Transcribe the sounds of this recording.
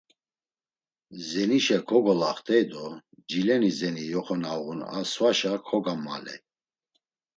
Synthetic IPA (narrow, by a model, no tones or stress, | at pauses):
zɛniʃɛkʰɔɡɔlaχt̪ʰʼɛjd̪ɔd͡ʒilɛnizɛnijɔχɔnaɣuna̰swaʃakʰɔɡama̰lɛ̰